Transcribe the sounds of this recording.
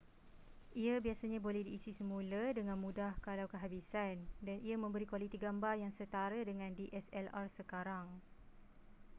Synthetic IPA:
ʔiabiasaɲãbolɛhdiːsisəmũlədəŋãnmũdahkalawkəɦabisandanʔiamə̃mbəɾikwalit̪iɡambarjaŋsət̪aɾədəŋãndiʔɛsɛlarsəkaɾaŋ

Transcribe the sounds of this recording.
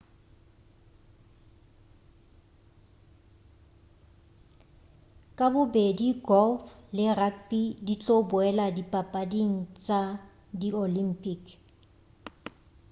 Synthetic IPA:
kʼabʊbediɡɔlflɪrakbidit͡ɬʼobʊɛladipʼapʼadiŋ̩t͡sʼa | diolimpʼikʰ

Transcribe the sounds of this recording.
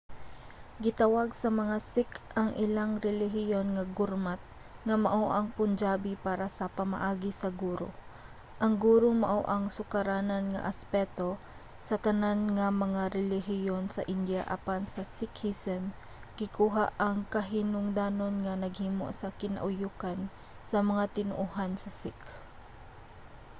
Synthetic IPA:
ɡɪt̪ɐwaɡ̚sɐmɐŋasɪkʔɐŋʔɪlaŋɾɛlɪɦɪjonŋɐɡʊɾmat̪̚ | ŋɐmɐʔoʔɐŋpʊnd͡ʒaːbipaːɾasɐpɐmɐ̰ʔaːɡɪsɐɡuːɾo̰ | ʔɐŋɡuːɾomɐ̰ʔoʔɐŋsʊkɐɾaːnɐnŋɐ̰ʔɐspɛt̪o̞ | sɐt̪ɐnanŋɐmɐŋaɾɛlɪɦɪjonsɐʔɪnd̪jaʔa̰pansɐsɪkhisɛm | ɡ̥ɪkuːɦaʔɐŋkɐɦɪnʊŋd̪aːnonŋɐnɐɡ̚hiːmo̰ʔsɐkɪnɐ̰ʔʊjukan | sɐmɐŋat̪ɪnʊʔuɦansɐsɪk

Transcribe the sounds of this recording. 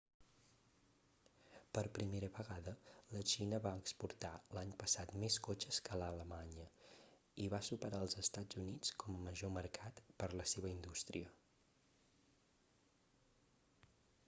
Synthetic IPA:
pəɾpɾimeɾəβəɣaðələt͡ʃinəβaəkspuɾt̪alaɲpəsat̪meskot͡ʃəskələləmaɲə | iβasupəɾaəlˠzəst̪ad͡zunit͡skɔməməʒoməɾkʰat̪pəɾləseβəind̪ust̪ɾiə

